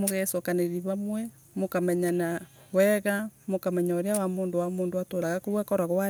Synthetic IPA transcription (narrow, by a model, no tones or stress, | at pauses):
moɣɛsokaneɾiβamwɛ | mokamɛɲana | wɛɣamokamɛɲaoɾjawamoːndowamoːndoatoɾaɣakoβwɛkɔɾaɣwa